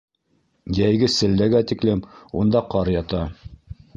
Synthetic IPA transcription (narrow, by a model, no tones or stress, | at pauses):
jæjɡɘsɘ̆lːæɡæt̪iklɘmund̪ɑqɑɾjɑt̪ɑ